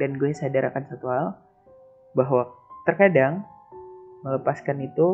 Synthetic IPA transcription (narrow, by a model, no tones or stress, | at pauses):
danɡuɛsadaɾʔakansat̪uɦal | baɦwat̪ərkadaŋ | mələpaskanit̪u